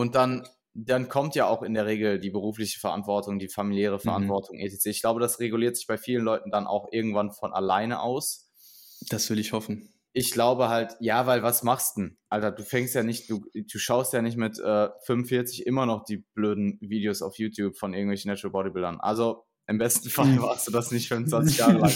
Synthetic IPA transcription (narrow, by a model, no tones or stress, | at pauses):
ʔʊnt̚d̥an | d̥ankʰɔmtjaːʔaʊxɪndeːɐʁeːɡl̩diːbəʁ̞uːflɪçə̥fɛɐʔa̰ntv̥ɔɐtʊŋdiːfamiljɛːʁ̞əfɛɐʔa̰ntv̥ɔɐtʰʊŋʔḛtʰet͡seːɪçɡ̥laʊbədasʁeɡuliːɐtz̥ɪçb̥aɪfiːlənlɔʏtn̩danʔa̰ʊxʔɪɐɡŋ̩tv̥anfɔnʔa̰laɪnəʔa̰ʊs | d̥asv̥ɪlɪçhɔfn̩ | ʔɪçɡ̥laʊbəɦaltjaːvaɪlvasmaχstn̩ʔaltɐduːfɛŋstjaːnɪçtd̥uːd̥uːʃaʊstjaːnɪçtmɪtʔɛːfʏnmvənfɪɐt͡sɪçʔɪmɐnɔχd̥iːb̥løːdn̩viːdeoːsa̰ʊfjuːtʰjuːpfɔnʔɪɐɡŋ̩tvɛlçn̩nɛtəlbɔdibɪldɐnʔa̰lzo | ʔɪmbɛstn̩falmaːχstd̥uːdasnɪçtfʏnnt͡svant͡sɪçjaːʁəlaŋ